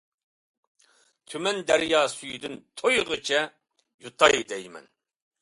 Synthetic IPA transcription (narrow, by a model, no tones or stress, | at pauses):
t̪ʰymɛnd̪æɾjɑːsyjyd̪ynt̪ʰojʁɨt͡ʃʰɛ | jut̪ʰɑjd̪ɛjmɛ̰n